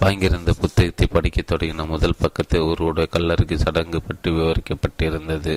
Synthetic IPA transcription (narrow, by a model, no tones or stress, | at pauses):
ʋaːŋɡɪɾɯnd̪ɐpʊt̪ːɐɣɐt̪ːɐɪpɐɽɪkːɐt̪ːɔɽɐɣɪnɐmʊðɐlpɐkːɐt̪ːɪlɔɾɯɽɐjɐkɐlːɐɾɯkːɯsɐɽɐŋɡɯpːɐʈːɯʋɪʋɐɾɪkːɐpːɐʈːɪɾɯnd̪ɐðɯ